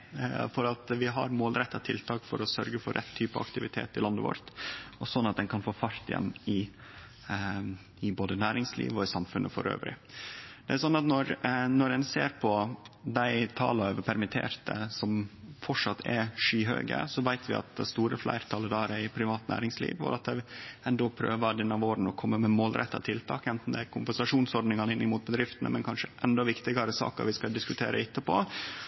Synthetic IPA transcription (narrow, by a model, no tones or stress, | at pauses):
fɔɾɑt̪ʋɪɦɑ̰ɾmoːlɾɛt̪ːɑt̪ʰɪlt̪ʰɑːkfɔɾɔsœɾɡəfɔɾːɛt̪ʰːyːpɑɑ̰kt̪ɪʋɪt̪ʰḛːt̪ɪlɑnd̪əʋɔ̰ɾt̪ɔsɔnːɑt̪̚d̪ɛnkʰɑnfoːfɑɾt̪ɪjɛ̰nːɪ | ɪboːd̪ənæːɾɪŋslḭːʋɔɪsɑmfʉnʔəfɔ̰ɾø̰ːʋɾɪ̰d̪̥ɛæɾsɔnːɑt̪nɔɾnɔɾɛnseːɾpʰɔd̪æɪt̪ʰɑ̰ːləøʋəpʰæɾmɪt̪ʰḛːɾt̪ʰə̰sɔmfɔʂɑt̪ʰːɛʂyːɦø̰ːɡə̰sɔʋæɪt̪ʰʋɪɑ̰t̪̚d̪ɛ̰st̪uːɾəflæ̰ɪɾt̪ʰɑləd̪ɑːɾəɪpʰɾɪʋɑːt̪næ̰ːɾɪŋslḭːʋɔ̰ɾɑt̪̚d̪ɛɛnd̪ɔpʰɾø̰ːʋɑd̪ɛnːɑʋoːɾn̩ɔkʰɔmːəmɛmoːlɾʔɛ̰t̪ːɑ̰t̪ʰɪlt̪ʰɑ̰ːkɛnt̪n̩d̪ɛkʰʊmpɛnsɑʂuːnsɔɾɖ̪nɪŋɑnəɪnːɪmuːt̪̚bəd̪ɾɪft̪ənə̰mɛnkʰɑnʂəʔɛnd̪ɔʋɪkt̪ɪɡɑɾəsɑ̰ːkɑ̰ʋɪskɑd̪ɪskʉt̪ʰeːɾəɪt̪ːəpʰo̰ː